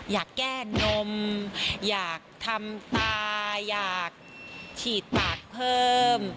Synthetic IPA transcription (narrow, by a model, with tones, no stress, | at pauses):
jaː˨˩kːɛː˥˩no˧mjaː˨˩k̚t̪ʰa˧mt̪aː˧jaː˨˩k̚t͡ɕʰiː˨˩t̪̚paː˨˩k̚pʰɤː˥˩m